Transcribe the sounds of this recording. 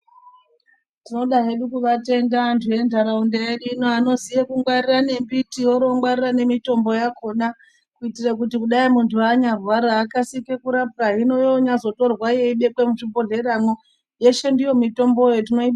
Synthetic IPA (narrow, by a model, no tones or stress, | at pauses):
tino̞ɗaɦe̞ɗukuʋate̞ndaːntʰuje̞ndʱaɾaundeeɗinoano̞zijekuŋɡwarirane̞mbitioɾo̞ŋɡwarirane̞mito̞mbo̞jakʰo̞na | kuitirak̬utikuɗaimuntʰuaɲarwaɾaːkasike̞kuɾapraɦino̞joɲazo̞to̞rwaje̞iɓe̞kwe̞muʐibo̞ɮe̞ɾamo | je̞ʃendijo̞mito̞mbo̞jot̬ino̞iɓa